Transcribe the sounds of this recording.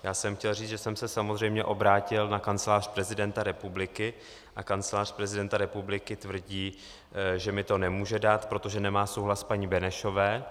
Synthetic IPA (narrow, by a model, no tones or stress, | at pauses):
jaːsɛmxcɛlriːt͡sʒɛsɛmsɛsamo̞zrɛjmɲɛʔo̞bɾaːcɪlnakant͡sɛlaːrpɾɛzɪdɛnt̪aɾɛpublɪkɪ | ʔakant͡sɛlaːr̥pɾɛzɪdɛnt̪aɾɛpublɪkɪt̪vr̩ɟiː | ʒɛmɪt̪o̞nɛmuːʒɛdaːt̪pɾo̞t̪o̞ʒɛnɛmaːso̞wɦlaspaɲibɛnɛʃo̞vɛː